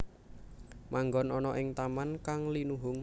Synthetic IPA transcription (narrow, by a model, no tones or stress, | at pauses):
maŋɡɔnɔnɔʔɪŋt̪amankaŋlinuɦʊŋ